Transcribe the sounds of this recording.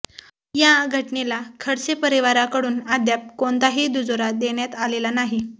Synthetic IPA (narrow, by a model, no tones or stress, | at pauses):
jaɡʱəʈnelakʰəɽt͡sepəɾiʋaɾakəɽuːnad̪jap̚koɳt̪aɦiːd̪ud͡zoɾad̪eɽjat̪alelanaɦi